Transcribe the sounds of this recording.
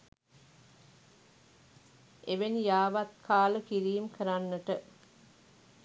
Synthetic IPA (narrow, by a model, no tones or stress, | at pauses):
eʋenijaːʋat̪̚kʰaːləkiɾiːmkʰəɾanːəʈə